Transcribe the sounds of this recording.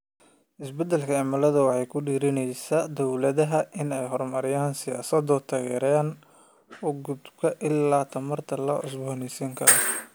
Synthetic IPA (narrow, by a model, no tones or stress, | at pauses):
ʔɪsbɛd̪ɛlkʰɐɛmɐlɐðɐwɑħɑjkʰʊɖiːɾɪnɛjsad̪ɔwlɐðɐɦɐʔɪnɛjɦɔrmɐɾɪjaːnsɪjaːsɐd̪ɔt̪ʰaːɣɛːɾaːn | ʊɡʊd̪kʰɐʔɪlːaːt̪ʰɐmɐrt̪ʰɐlɐʔʊs̬bɔnɪsiːŋkʰɐɾɔ